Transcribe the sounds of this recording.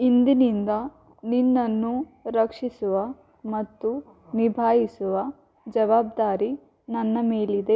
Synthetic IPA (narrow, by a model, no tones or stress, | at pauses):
ind̪inind̪ɐ | ninːɐnːu | ɾɐkʂisuʋɐ | mɐt̪ːu | nibʱaːɦisuʋɐ | d͡ʒɐʋaːbd̪aːɾi | nɐnːɐmeːlid̪e̞